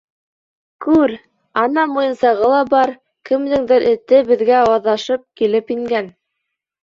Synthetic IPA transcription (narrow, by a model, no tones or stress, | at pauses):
kʉɾ | ɑnɑmujɤ̆nsɑʁɤlˠɑbɑɾ | kɘ̆md̪ɘŋd̪ɘɾʔɘ̆t̪ɘbɘ̆ðɡæwɑðɑʃɤp̚kilɘpiŋɡæn